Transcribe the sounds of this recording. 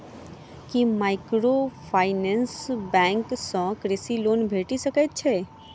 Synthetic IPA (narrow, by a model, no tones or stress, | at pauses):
kimaːɪkɾopʰaːɪnɛ̃nsbɛ̃ŋksɔ̃kɾɪsiloːnbʱeːʈisəket̪̚t͡ʃʰe